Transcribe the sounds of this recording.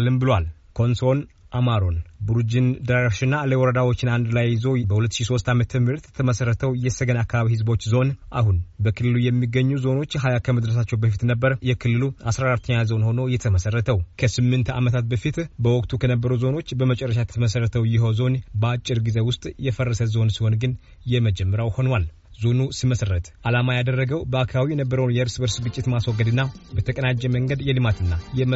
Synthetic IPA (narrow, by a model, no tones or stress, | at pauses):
lːɨmbɨlwal | kʰo̞nso̞n | ʔamaɾo̞nbuɾd͡ʒind̪əɾaɾioʃɪnːaləwɔɾəd̪awo̞t͡ʃːɪnand̪lajzo̞bəhulət̪ːʃiso̞st̪amət̪ʰəmɨɾt̪jɛt̪ʰəməsəɾːət̪ʰəwjɛsəɡənakːaβaβihɨzbo̞t͡ʃːzo̞nʔa̰hunbəkʰɨlːɨlujɛmːiɡːəɲːuzo̞no̞t͡ʃːɦajakʰəməd̪ɾəs̬at͡ʃːɛwbəfit̪nəbːəɾjɛkʰɨlːɨluʔasɾaɾat̪ʰːəɲːazo̞nho̞no̞jɛt̪ʰəməsərːət̪ʰəwkʰəsɨmːɨnt̪ʰa̰mət̪ʰat̪̚bəfit̪bəwɔkʼt̪ʰukʰənəbːəɾuzo̞no̞t͡ʃːbəmət͡ʃʼɛrːəʃ̬at̪ʰəməsərːət̪ʰəwjɪɦozo̞nbəat͡ʃʼːɪɾɡize̞wʊst̪ʼjɛfərːəsəzo̞nsiho̞nɡɨn | jɛməd͡ʒɛmːəɾjawho̞nwal | zo̞nusiməsərːət̪ʰʼʔalamajad̪ərːəɡəwbəakʰəawinəbːəɾəwnjɛɨɾsbəɾsɡɨt͡ʃʼːɪt̪maswɔɡːəd̪ɨnːabət̪ʰəkʼənad͡ʒːɛməŋɡəd̪jɛlɨmat̪ɨnːajɛm